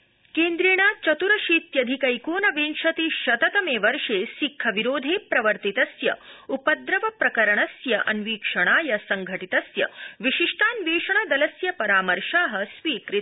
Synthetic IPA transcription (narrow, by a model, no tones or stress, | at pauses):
keːnd̪ɾeːɳ̃aːt͡ʃɐt̪uɾɐʃiːt̪jɐd̪ʱikɐjkoːnɐʋeːnʃɐt̪iʃɐt̪ɐt̪ɐmeːʋɐɾʂeːsikʰːɐʋiɾoːd̪ʱeːpɾɐʋɐɾt̪it̪ɐsjɐupɐd̪ɾɐʋɐpɾɐkɐɾɐɳ̃ɐsjɐʔɐ̰nʋiːkʂɐɳ̃aːjɐsɐŋɡʱɐʈit̪ɐsjɐ̰ʋiʃiʂʈʰaːnʋeːʂɐɳɐd̪ɐlɐsjɐpɐɾaːmɐɾʂaːɦɐsʋiːkɾit̪